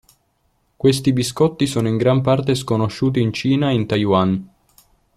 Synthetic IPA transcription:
kwest̪ibiskɔt̪ːisoːnoiŋɡɾampart̪eskonoʃːuːt̪̬iːnt͡ʃiːnaint̪ajwan

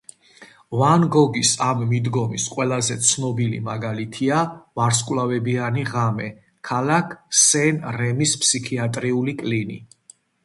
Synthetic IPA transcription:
vanɡɔɡisamːid̪ɡɔmisqʼwɛlˠazɛt̪sʰnɔbilḭmaɡalit̪ʰiavaɾskʼwlavɛbianiʁamɛ | kʰalakʰsɛnɾɛmispʰsikʰiat̪ʼɾiulikʼlinḭ

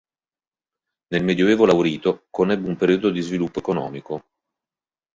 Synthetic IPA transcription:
nelmed̪joeːvolawɾiːt̪okonɛbːumpeɾiod̪od̪izvilupːoekonɔ̰ːmiko

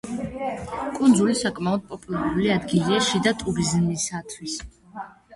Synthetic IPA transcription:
kʼund̪zulisakʼmaɔd̪̥̚pʼɔpʼulaɾuliad̪ɡiliaʃid̪at̪ʼuɾizmisat̪ʰwis

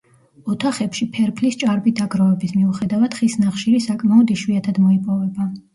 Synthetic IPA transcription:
ɔt̪ʰaχɛpʃipʰɛɾpʰlist͡ʃʼaɾbid̪aɡɾavɛbismiuχɛd̪avad̪̥χisnaχʃiɾisakʼmaɔd̪ɛʃwiat̪ʰad̪mɔipʼɔvɛba

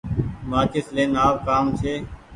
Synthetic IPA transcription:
maːkɪsleːnaːp̚kaːmt͡ʃʰeː

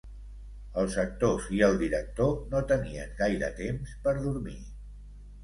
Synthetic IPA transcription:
əlˠsək̚t̪oziəlˠd̪iɾək̚t̪onot̪əniə̰ŋɡajɾə̰t̪emspəɾðuɾmḭ

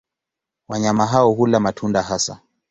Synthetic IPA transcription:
waɲamaɦaɔhulamatʰundaɦasa̰

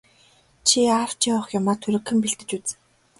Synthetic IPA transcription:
t͡ɕʰiaw̥t͡ɕiwə̆χjʊmaːt̪ʰːɵɾɘ̆kʰːɘ̆mpiɮt̪ɘ̆t͡ɕut͡sɘ̥̆

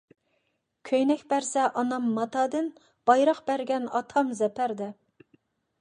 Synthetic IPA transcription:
kʲʰøjnɛkʲbæɾsɛʔɑnɑmːɑt̪ʰɑd̪ɨn | b̥ɑjɾɑqbæɾɡʲɛnɑt̪ʰɑmzɛpʰæɾd̪ɛ

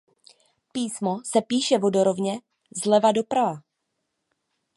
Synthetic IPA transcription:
piːsmosɛpiːʃɛvo̞do̞ɾovɲɛ | zlɛvado̞pɾava

